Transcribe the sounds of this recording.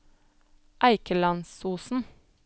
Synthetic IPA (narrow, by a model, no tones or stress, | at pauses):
ʔæɪkəlɑnsuːsn̩